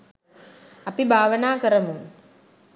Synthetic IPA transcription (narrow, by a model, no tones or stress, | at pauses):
ɐpibʱaːʋənaːkəɾəmuŋ